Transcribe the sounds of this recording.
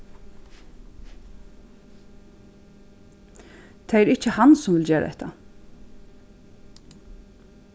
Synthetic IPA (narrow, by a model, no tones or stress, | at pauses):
t̪ʰeɛɾɪht͡ʃːəhansʊmʋɪld͡ʑeːɾa̰ɛ̰t̪ʰːa̰